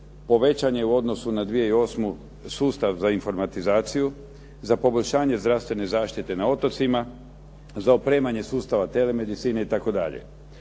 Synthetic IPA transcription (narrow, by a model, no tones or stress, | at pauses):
po̞ʋe̞t͡ɕaɲeuo̞d̪no̞sunad̪ʋije̞io̞ːsmu | suːst̪aʋzainfo̞ɾmat̪izaːt̪siju | zapo̞boʎʲʃaːɲe̞zd̪ɾaʋst̪ʋe̞ne̞zaːʃt̪it̪e̞nao̞t̪o̞t̪sima | zaopɾe̞ːmaɲe̞suːst̪aʋat̪e̞le̞me̞d̪it̪siːneit̪ako̞d̪a̰ʎḛ